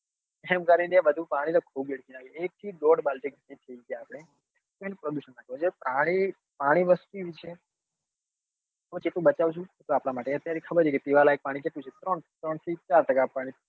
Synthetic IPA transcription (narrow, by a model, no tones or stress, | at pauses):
ɛmkəɾineʋəd̪ʱũpaɽ̃it̪okʰobeɽkinakeek̚t̪ʰid̪oɽbalʈektit̪ʰəiɡjaːpɽ̃e | k̪oenepɾodjuʃənːakõt͡ʃepɾaɽ̃i | paɽ̃iʋəst̪uʋit͡ʃʰe | t̪ot͡ʃet̪ũbət͡ʃaʋut͡ʃʰũt̪oapɽamaʈeət̪jaɾikʰəbəɾt͡ʃʰeket̪iʋalaek̚paɽ̃it͡ʃet̪ũt͡ʃʰet̪ɾəɳt̪ɾəɳt̪ʰit͡ʃaɾʈəkapaɽ̃i